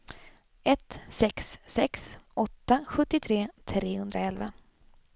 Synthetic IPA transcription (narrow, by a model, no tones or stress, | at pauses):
ɛt̪sɛksːɛksɔt̪ːaɧɵt̪ːɪt̪ʰɾeːt̪ʰɾeːhɵnd̪ɾaɛlva̰